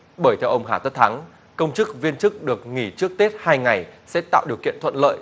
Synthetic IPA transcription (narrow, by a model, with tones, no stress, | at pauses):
ɓəː˧˩jt̪ʰɛ˧wʔə˧wŋ͡mɦaː˧˩t̪ə˦˥t̚t̪ʰa˨˦ŋ | kə˧wŋ͡mt͡ɕɨ˦˥k̚vi˧ənt͡ɕɨ˦˥k̚ɗɨ˨˩ək̚ŋi˧˩t͡ɕɨ˦˥ək̚t̪e˦˥t̚haː˧jŋa˨˩jsɛ̰˧˥t̪a̰ː˧˨wɗi˨˩əwkḭ˧˨nt̪ʰə̰˧˨nlə̰ː˧˨jʔ